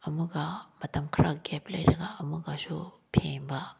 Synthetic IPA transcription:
ɐmuɡɐmɐtɐmkʰɐɾaɡeplɐjɾɐɡɐɐmuɡɐsupʰeŋbɐ

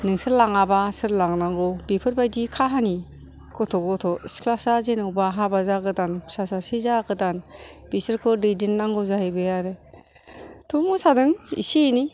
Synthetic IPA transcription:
nɯŋsɯɾlaŋabasɯɾlaŋnaŋɡɔbipʰɯɾbajdikʰaɦani | kɔtʰɔɡɔtʰɔsklasazenɯwbaɦabazaɡɯtansasasizaɡɯtanbisɯɾkʰɔɾdidinːaŋɡɔwzaɦebɯjaɾɯ | tʰɔmɔsadɯŋḭsini

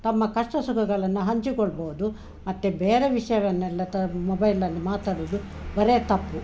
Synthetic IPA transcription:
t̪ɐmːɐkɐʂʈɐsukɐɡɐɭɐnːuɦɐɲt͡ʃikɔɭːboːud̪u | mɐt̪ːebeːɾeʋiʂɐjɐʋɐnːɛlːɐt̪ɐmɔbɐjlːɐlːimaːt̪aːɽoːd̪ubɐɾet̪ɐpːu

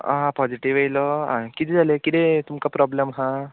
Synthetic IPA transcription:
ãpɔd͡ziʈiʋejlɔɦãkit̪id͡zalekid̪et̪umkapɾɔbləmɦã

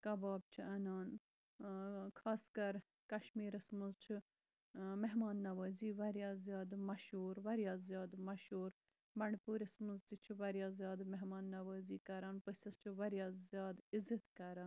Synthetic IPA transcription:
kɐbaːb̚t͡ʃʰiɐnaːn | kʰaːskɐɾ | kɐʃmiːɾɐsmɨzt͡ʃʰi | meɦmaːnːɐʋəːziːʋɐɾjaːzjaːd̪mɐʃuːɾʋɐɾjaːzjaːd̪mɐʃuːɾ | bɐɳpuːɾʲɐsmɨnzt̪it͡ʃʰiʋɐɾjaːzjaːd̪meɦmaːnːɐʋəːziːkɐɾaːnpəsʲɐst͡ʃʰiʋɐɾjaːzʲjaːd̪izɐt̪kɐɾaːn

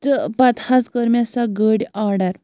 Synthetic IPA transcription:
t̪əpat̪haskəɾmjasaɡəɽʲaɽaɾ

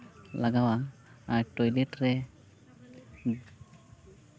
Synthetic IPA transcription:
laɡawaːɹʈojleʈɹɛ

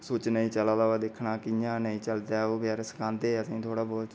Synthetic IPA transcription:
soːt͡ʃnəĩːt͡ʃəlaːd̪aːd̪ɪkʰnaːkɪjãːnəĩːt͡ʃəld̪aːoːɡɛːɾsə̥kʰãːnd̪eːəsĩːt̪ʰoːɽaːbɔːt̪

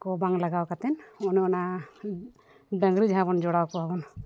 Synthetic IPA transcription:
kɔbaŋlaɡawkat̪ɛnɔniɔna | d̪əŋɡɾid͡ʒaɦabɔnd͡ʒɔɽawkɔbʱabɔn

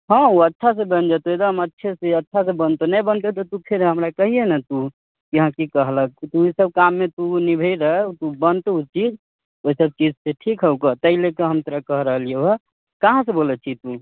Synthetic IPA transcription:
ɦə̃uətːʃʰas̬ẽbənd͡ʒat̪oed̪əmətːʃʰeseətːʃʰas̬ẽbənt̪onəjbənt̪et̪ɔt̪upʰeɾɦəmɾakəɦienɛt̪u | kiɦãkikəɦlək̚t̪uisəb̚kamːet̪unibʱeiɾəɦɛt̪ubənt̪eut͡ʃid͡ʒ | oisəb̚t͡ʃid͡ʒseʈʰikɦəukət̪əilekeɦəmt̪əɾəkəɦɾəɦəlieə | kaɦãsẽbolɛt͡ʃʰit̪u

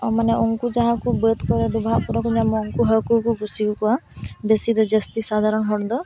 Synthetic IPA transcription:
ɔmanɛɔŋkud͡ʒaɦãkubəd̪kɔɾɛɖubʱaʔpuɾɔkuɲamɔːŋkuɦəkukuɡusikukuabesid̪ɔd͡ʒəst̪isad̪ʱaɾɔnɦɔɽd̪ɔ

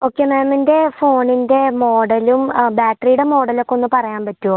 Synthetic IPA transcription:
o̞ːkːemaːminde̞fo̞ːɳinde̞mo̞ːɽɐlumbaːʈrijuɽe̞mo̞ːɽɐlokːeonːɨpɐrɐjaːmpɐtːuo

